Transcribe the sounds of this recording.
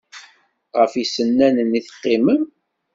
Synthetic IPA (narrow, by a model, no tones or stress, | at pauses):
ʁəfisənːænəniθə̥qːiməm